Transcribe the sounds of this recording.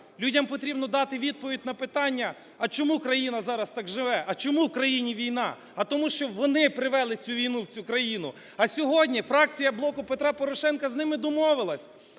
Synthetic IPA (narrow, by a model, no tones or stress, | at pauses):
lʲudʲɐmpɔt̪ɾʲibnɔd̪ɑt̪ɪʋʲid̪̚pɔʋʲidʲnɐpɪt̪ɑnʲːɐ | ɐt͡ʃɔmukɾɐjinɐzɑɾɐst̪ɑɡʒɪʋɛʔɐt͡ʃɔmuwkɾɐjinʲiʋʲijnɑ | ɐt̪ɔmuʃt͡ʃɔʋɔnɪpɾɪʋɛlˠɪt͡sʲuʋʲijnuwt͡sʲukɾɐjinʊ | ɐsʲɔɦɔdʲnʲifɾɑk̚t͡sʲijɐblˠɔkʊpet̪ɾɑpɔɾɔʃɛnkɐznɪmɪd̪ɔmɔʋɪlˠɐsʲ